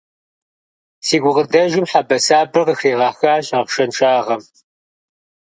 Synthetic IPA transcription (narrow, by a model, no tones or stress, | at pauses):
siːɡʷʊʁədɐʒɪmħabɐsaːbɨrəxriːʁɑːxaːɕɐpʃɐnʈ͡ʂʼaːʁɐm